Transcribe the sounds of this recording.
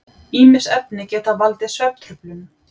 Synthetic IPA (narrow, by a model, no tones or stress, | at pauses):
iːmɪsɛpnɪcɛːt̪avalt̪ɪsvɛp̚t̪ʰɾʏplʏm